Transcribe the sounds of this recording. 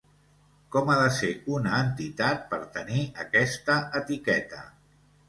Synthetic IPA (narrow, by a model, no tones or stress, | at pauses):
kɔmaðəseunəːnt̪it̪at̪̚pəɾt̪əniəkɛst̪əət̪ikɛt̪ə̰